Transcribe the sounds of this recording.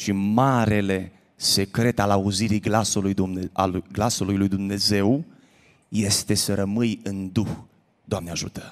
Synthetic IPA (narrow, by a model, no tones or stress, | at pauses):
ʃimaɾe̞le̞ | se̞kɾe̞t̪alauziɾiɡlasuluj̪uɡlasulujlujd̪umne̞ze̞w | je̞st̪e̞səɾəmɨjɨnd̪ux | d̪oamneaʒṵt̪ə̥